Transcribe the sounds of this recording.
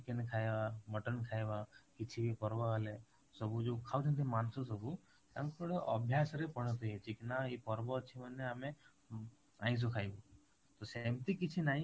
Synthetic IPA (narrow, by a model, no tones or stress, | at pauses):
ikenkʰajbabəʈənkʰajbakit͡ʃʰibipɔɾbɔɦɔle | sɔbud͡ʒokʰawt͡ʃʰənt̪ʰimansɔsɔbu | t̪ãŋkɔɽeʔɔbʱjasɾepɔɽ̤̃ɔt̪ɔjet͡ʃʰikinaipɔɾbɔt͡ʃʰimanːeame | ã̰ĩs̬ɔkʰajbɔ | t̪ɔsamt̪ikit͡ʃʰinaɦĩ